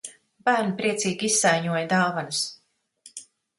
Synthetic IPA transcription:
bæːɾnipɾiɛt̪siːɡʲiisːajɲuɔjad̪aːvanɨs

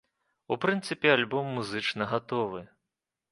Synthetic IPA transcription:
upɾɨnt̪sɨpʲɛalʲbɔmːuzɨt͡ʂnɐɣat̪ɔvɨ

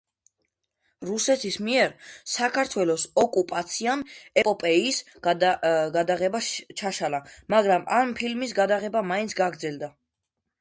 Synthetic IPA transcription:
ɾusɛt̪ʰismiɛɾsakʰaɾt̪ʰwɛlɔsɔkʼupʼat̪sʰianɛpʼɔpʼɛis | ɡad̪aʁɛbaʃt͡ʃʰaʃalamaɡɾamampʰilmis̬ɡad̪aʁɛbamaint̪sʰɡaɡɾd̪zɛld̪a

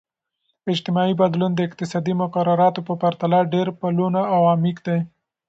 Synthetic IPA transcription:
ɪd͡ʒt̪ɪmɑibad̪lund̪əɪq̚t̪ɪsɑd̪imʊkaɾaɾɑt̪opəpaɾt̪alaɖeɾpalunaawɑmikd̪aj

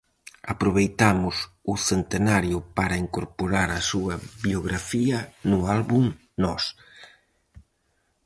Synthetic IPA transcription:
apɾoβejt̪amʊsʊθent̪enaɾjʊpaɾɐiŋkoɾpoɾaɾɐsuɐβjoɣɾafiɐnʊalβuŋ | nɔs

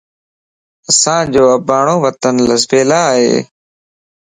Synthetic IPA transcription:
əsãːd͡ʒoːəbaːɳ̃õːʋət̪ənləzbeːlaːɦḛː

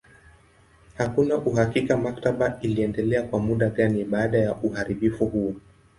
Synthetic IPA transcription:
hakunaʔuɦakikamaktaɓailiɛndɛlɛakwamuɗaɠaniɓaːɗajaʔuhaɾiɓifuhuɔ

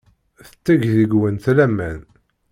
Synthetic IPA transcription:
θə̥t͡sːæʝðəɡwənθlæmːæn

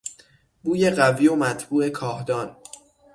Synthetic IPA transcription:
buːje̞ɢæviːomæt̪ʰbuːʔe̞kʰɒːhd̪ɒːn

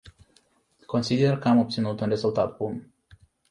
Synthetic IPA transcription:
ko̞nsid̪e̞rkəamo̞p̚t̪sinut̪unre̞zult̪at̪̚bum

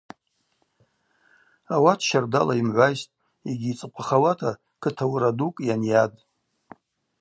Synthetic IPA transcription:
awatʰʃardalaimʕʷajstʼ | iɡʲiːt͡sʼɨqʷʼaχawatʰa | kʰɨtʰawɾadukʼjanjad

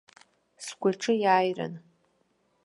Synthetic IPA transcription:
sɡʷaʈ͡ʂʰɨjaːjra̰n

